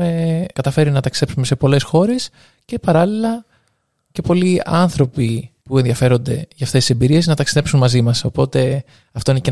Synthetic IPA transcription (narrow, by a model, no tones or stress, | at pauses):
ekɐt̪ɐfe̞ɾinɐt̪ɐksi̥ðe̞psume̞se̞po̞le̞sxo̞ɾe̞s | ce̞pɐɾɐlilɐ | ce̞po̞liɐnθɾo̞pipue̞nðiɐfe̞ɾo̞nd̪e̞ʝɐːft̪esise̞mbiɾie̞znɐt̪ɐksiðe̞psunmɐzimɐso̞po̞t̪e̞ | ɐft̪o̞ine̞ce